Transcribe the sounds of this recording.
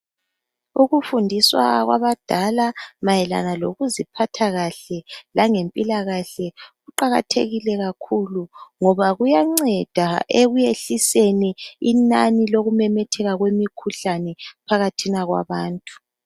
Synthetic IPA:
uɣufundʱiswa̰ɣwa̰βad̥ʱalamajɛla̰naloɣuzipʰatʰaɣaɬɛlaŋempʼilaɣaɬɛɣuǃaɣa̰tʰeɣilɛɣakʰuluŋɔβaɣujaŋ͡ǀɛd̥ʱaeɣujeɬiseniinaniloɣumɛmɛtʰɛɣaɣwemikʰuɬanɛpʰaɣatʰinaɣwa̰βaːntʼu̥

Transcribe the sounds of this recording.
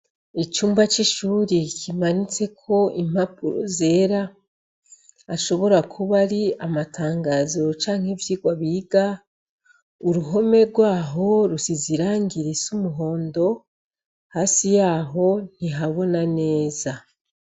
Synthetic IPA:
it͡ʃuːmbat͡ʃiʃuːɾikʰimanit͡se̞kʰo̞im̥hapuɾo̰zeːɾa | ʃo̞βo̞ɾakʰuβaɾiamatʰaːŋɡaːzo̞t͡ʃaːŋ̥hevjiːɡwaβiɡa | uɾuɦo̞me̞ɾɡwaːɦo̞ɾusiziɾaːŋɡiɾisumuɦo̞ːndo̞ | haːsijaːɦo̞n̥iɦaβo̞nane̞ːza

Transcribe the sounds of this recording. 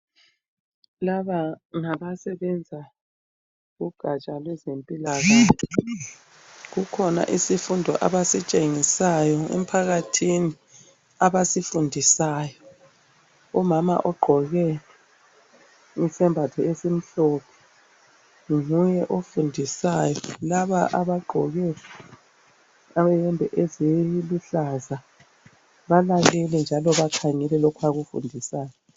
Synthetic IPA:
laβaŋaβasɛβɛnd͡zʱa | ɣuɡ̥ʱat͡ʃʼalwɛzempʼilaɣaː | ɣukʰɔna̰ʔisifundʱɔ̰ʔa̰βasit͡ʃʼeŋisajɔḛm̩pʰaɣatʰini | aβasifundʱisaːjɔ | ɔmama̰ʔɔɡ͡ǃʱɔɣɛ | isɛmbʱatʰɔesim̩ɬɔpʰɛ̥ | ŋujɛʔofundʱisajɔlaβaʔaβaɡ͡ǃʱɔɣɛ | aβɛjɛmbʱɛʔeziluɬaza | βalalɛlɛnd͡ʒʱalɔβakʰaŋɛlɛlɔkʰwaɣufṵndʱisaːjɔ

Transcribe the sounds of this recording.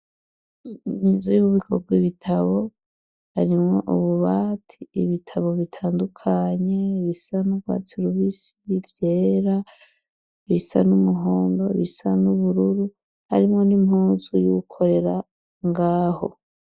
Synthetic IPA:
ninzujuβuβikʰob̚ɡwiβitʰaβo̞ | ha̰ɾimŋo̞ʔuβuβatʰi̥iβitʰaβo̞βitʰaːndukʰaɲe̞βisanubɡwa̰ːt͡siɾuβisivjeːɾa | βisanumuɦoːndo̞̰βḭsanuβuɾuɾu | ha̰ɾimŋo̞nimhuːzujukʰo̞ɾe̞ɾa | ŋɡaːho̞̰

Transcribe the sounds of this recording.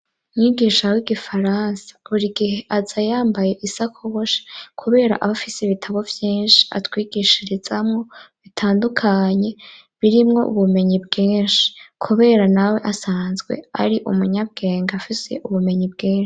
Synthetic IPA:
mɲiɡiʃawiɡifaɾaːnsḁuɾiɡihe̞ʔazajaːmbaje̞ʔisakʰoβoʃḁkʰuβe̞ːɾa̰ʔaβafiseβitʰaβo̞vjiːnʃi̥a̰twiːɡiʃiɾiz̥amŋo̞βitʰaːndukʰaɲe̞ | βiɾimŋo̞ʔṵβume̞ɲibɡiːnʃi̥kʰuβe̞ɾanawe̞ʔasaːnzɡwe̞̰a̰ɾiʔumuɲab̚ɡe̞ːŋɡafise̞̰ʔuβume̞ɲibɡiːnʃi̥

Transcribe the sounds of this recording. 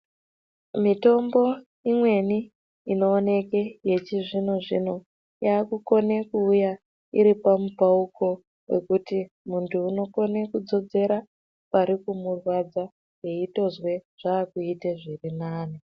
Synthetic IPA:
mito̞mbo̞ | imwe̞ni | ino̞ːne̞keje̞t͡ʃiʐinoʐḭno̞ | jaːkuko̞ne̞kuːja | ḭɾipamupauko̞ | we̞̰kuti | muntʰuːno̞ko̞ne̞kud͡zo̞d͡ze̞ɾa | paɾikumurwad͡za | jeito̞zwe̞ʐ̥aːkuiteʐirinaːni

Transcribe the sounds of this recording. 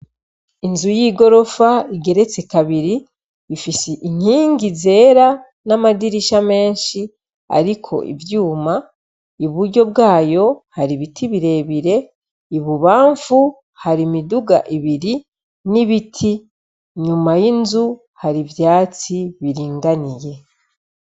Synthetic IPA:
inzujiːɡo̞ɾo̞faiɡe̞ɾe̞t͡se̞kaβiɾiː | fiseʔiɲ̥iːŋɡize̞ːɾa | namadiɾiʃame̞ːɲʃi | a̰ɾikʰo̞̰ʔḭvjuːma | iβuɾɟo̞b̚ɡaːjo̞haɾiβitʰiβiɾe̞βiɾe̞ | iβuβaːɱfu | haɾimiduɡa̰ʔiβiɾi | niβitʰi | ɲumajinzu | haɾivjaːt͡siβiɾiːŋɡanije

